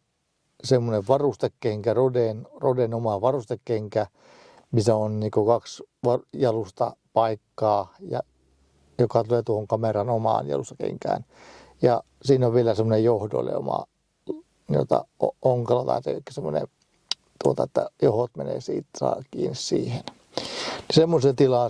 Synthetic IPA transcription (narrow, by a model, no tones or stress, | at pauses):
semːoneʋʋɑrust̪ekkeŋkærodenrodenomɑʋɑrust̪ekkeŋkæ | misæonniːkokɑksʋɑjɑlust̪ɑpɑikːɑːjɑ̰ | jokɑt̪uleˑːt̪uohoŋkɑmerɑnomɑ̰ːnjɑ̰lust̪ɑ̥kḛŋkæ̰ːn | jɑ | siːnoʋʋielæsemːonejjohdo̰lḛo̰mɑ̰ | o̰t̪ɑ̰ooŋkɑlɑt̪ɑ̰it̪ḛkːæ̥semːˑonḛ | t̪uot̪ɑet̪ːæ̰johot̪menḛːsḭːt̪sɑ̰ːkḭːnissḭːhen | nisemːoset̪ilɑ